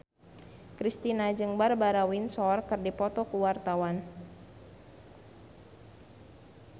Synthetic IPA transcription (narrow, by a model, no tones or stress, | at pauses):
kɾist̪inad͡ʒɨŋbarbaɾawinsɔrkɨrdipɔt̪ɔkuwart̪awan